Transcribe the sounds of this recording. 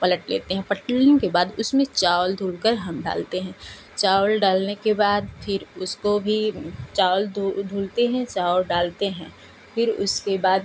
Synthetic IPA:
pɐləʈlḛːt̪eɦɛ̃pɐʈlijõkebaːd̪ʊsmẽt͡ʃaːʊld̪ʱuːlkəɾɦɐmɖa̰ːlt̪eɦɛ̃ː | t͡ʃaːʊlɖaːlnekebaːd̪pʰɪɾʊskobʱit͡ʃaːld̪d̪ʱuːlt̪eɦɛ̃t͡ʃaːʊlɖaːlt̪eɦɛ̃ː | pʰɪɾʊ̰skebaːd̪̚

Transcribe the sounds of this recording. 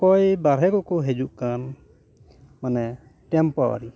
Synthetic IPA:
kɔjbaɾɦɛkɔkɔɦɛd͡ʒuʔkan | manɛ | ʈɛmpawa̰ɾi

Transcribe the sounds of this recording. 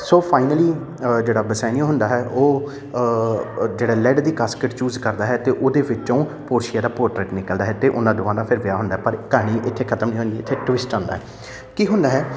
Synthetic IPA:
soːpʰaːɪnəliː | d͡ʒeːɽaːbəsaːnĩːɦʊ̃nd̪aːɦɛːʔoː | d͡ʒeːɽaːlɛːɖd̪iːkaːskəʈt͡ʃuːzkəɾd̪aːɦɛːt̪eːʔoːd̪eːʋɪt͡ʃõːpoːɾʃɪjaːd̪aːpoːɾʈɾeːʈnɪkəld̪aːɦɛːt̪eːʔʊnãːd̪ʊʋãːd̪aːpʰɪɾʋɪaːɦʊ̃nd̪aːɦɛːpəɾkaːɽ̃iːʔɪt̪ʰːeːkʰət̪əmnĩɦõːnd͡ʒ̪iɪt̪ʰːeːʈʋɪsʈãːnd̪a̰ɦɛː | kiːɦʊ̃nd̪aːɦɛː

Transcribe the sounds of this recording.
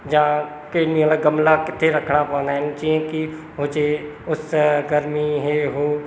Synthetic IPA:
d͡ʒãː | keniõlaɡəmlakɪt̪ʰeɾɐkʰɽ̃apə̃ːnd̪aːɦɛnt͡ʃiẽki | ɦoːd͡ʒeʊsɡəɾmiɦeɦoː

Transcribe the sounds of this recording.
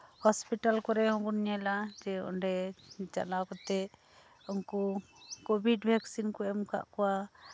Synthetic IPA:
hɔspiʈalkɔɾɛɦɔ̃bunɲɛlad͡ʒɛɔ̰nɖɛt͡ʃa̰lakɔt̪ɛ | unkɔkɔbʱiɖbʱɛksinkɔɛmka̰ʔkɔwa

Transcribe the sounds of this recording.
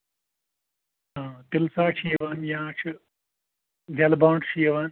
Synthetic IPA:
ɦãːt̪ɪlsaːt͡ʃʰiːɐʋaːnjãːt͡ʃʰ | d̪ʱjɐlbãːɳɖt͡ʃʰijɐʋaːn

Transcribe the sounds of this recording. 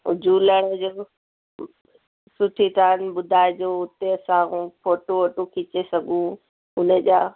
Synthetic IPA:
ʊ̰d͡ʑʱuːləɽ̃əd͡ʑoː | sʊʈʰit̪aːnɓʊd̪ʱaːɪd͡ʑoːʊt̪eɐsãːũpʰoːʈooːʈokʰɪt͡ɕesɐɡʱũ | ʊnəd͡ʑaː

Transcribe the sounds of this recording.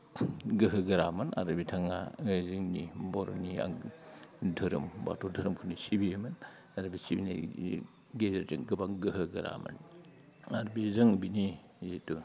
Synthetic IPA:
ɡɯɦɯɡɐɾamɐna̰ɾɯbitʰaŋaziŋnibɔɾo̰nia̰ | dʱɯɾɯ̰mba̰tʰodʱɐɾɯmkʰunisibiemɐn | aɾɐbisibina̰ | ɡezeɾd͡ʒɯŋɡɯbaŋɡɯɦɯɡɐɾa̰mɐ̰n | aɾbizɯŋbini | zitu

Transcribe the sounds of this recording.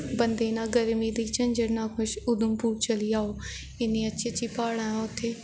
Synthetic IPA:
bənd̪eːnãːɡəɾmiːd̪iːt͡ʃəɲd͡ʒəɽnãːkʰʊʃʊd̪əmpuːɾt͡ʃəliːaːoː | ɪnĩːətːt͡ʃʰit͡ʃiːpaːɽãːʊt̪ʰːeː

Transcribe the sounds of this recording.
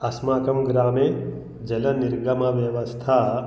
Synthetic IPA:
ɐsmaːkɐmɡɾaːme | d͡ʒɐlɐniɾɡɐmɐʋjɐʋɐst̪ʰa

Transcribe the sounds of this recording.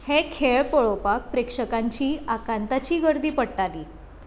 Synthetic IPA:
hekʰeɭpəɭopak̚pɾekʂəkaɲt͡ɕiːakant̪at͡ɕiːɡəɾd̪iːpəɽʈaliː

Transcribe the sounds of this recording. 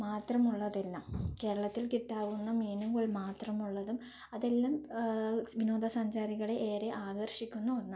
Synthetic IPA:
maːt̪rɐmuɭːɐðelːaːmke̞ːɾɐɭɐt̪ːilkiʈːaːɣunːɐmiːnuɣɐɭmaːt̪rɐmuɭːɐðum | ɐðe̞lːaːm | ʋino̞ːd̪ɐsɐɲd͡ʑaːɾiɣɐɭe̞ʔeːɾeʔaːɡɐrɕikʲːunːuʋɐnːɐ

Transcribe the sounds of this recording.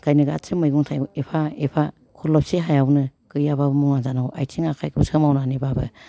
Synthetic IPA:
kajnɯɡa̰tʰɯmɯjɡuŋtʰajuepʰaepʰa | kʰɔlɔp̚seɦajawnɯkɯjababɯmuŋazanawʔajtʰiŋakʰajkʰusɯmawnanibabɯ

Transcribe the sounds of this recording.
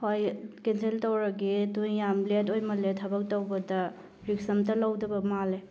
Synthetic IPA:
hojkensʰeltowɾɐɡidujjamlet̬ojmɐletʰɐbɐk̚towbɐdɐ | ɾiksɐmtɐlawdɐbɐmale

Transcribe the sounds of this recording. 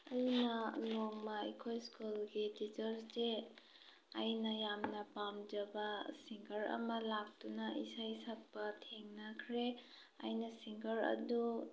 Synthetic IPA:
ɐjnɐnoŋmɐikʰojskulɡititɐɾste | ajnɐjamnɐpamd͡ʒɐbɐsiŋɡɐɾɐ̰mɐlak̚tunɐʔisajsak̚pɐtʰeŋnɐkʰɾe | a̰jnɐsiŋɡɐɾɐ̰du

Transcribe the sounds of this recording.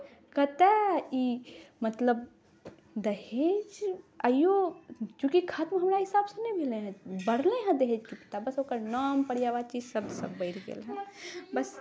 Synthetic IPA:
kɐt̪ɛimɐt̪ləb | d̪ɐɦed͡ʒajot͡ʃũːkikʰaːt̪mɦɐmɾaɦɪsaːbsənɐĩbʱelẽɦɛ̃bɐɽlẽɦɛ̃d̪ɐɦeːd͡ʒkipi̥t̪abɐsoːkəɾnaːmpɐɽjaːʋat͡ʃisɐbd̪sɐbbəɪɾɡḛlɦɛ̃bɐs

